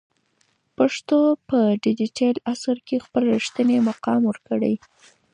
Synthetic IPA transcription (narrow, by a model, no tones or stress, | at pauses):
paʂt̪opəɖɪd͡ʒiʈelasaɾkexpəlʂt̪ənemaqɑmwəɾkəɽə̰j